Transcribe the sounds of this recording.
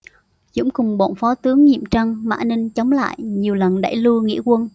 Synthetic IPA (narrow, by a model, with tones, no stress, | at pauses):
zʊ̰˧˥ŋ͡mkʊ˨˩ŋ͡mɓo̰˧˨nfɔ˨˦t̪ɨ˨˦əŋɲḭ˧˨əmt͡ɕa˧ŋma̰ː˧˨nï˧ŋ̟t͡ɕə˨˦wŋ͡mla̰ː˧˨jɲi˨˩əwlə˨˩nɗa̰˧˩jlu˧əŋḭ˧˥əkwə˧n